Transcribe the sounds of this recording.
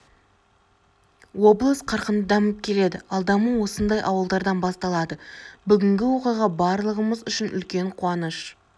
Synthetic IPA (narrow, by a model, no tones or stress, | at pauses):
wo̞blˠəsqʰɑɾqənd̪əd̪ɑməp̚kʲʰe̞le̞d̪ɪɑlˠd̪ɑməwo̞sənd̪ɑjʔɑwəlˠd̪ɑɾd̪ɑnbɑst̪ɑlˠɑd̪əbʏɡʲɪŋɡʲɪwo̞qijʁɑbɑɾlˠəʁəməzʏʃɪnʔʏ̰lkʲe̞ɴqʰuɑnəʃ